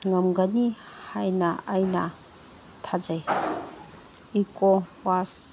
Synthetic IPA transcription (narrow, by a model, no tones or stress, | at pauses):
ŋɐmɡani | hajnaʔajna | tʰad͡ʒaj | ikɔwas